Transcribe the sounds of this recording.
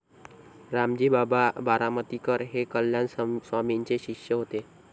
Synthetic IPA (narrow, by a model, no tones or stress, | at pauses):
ɾamd͡ʑiːbababaɾamət̪ikəɾɦekəljansʋamiɲt͡seɕikʂjəɦot̪e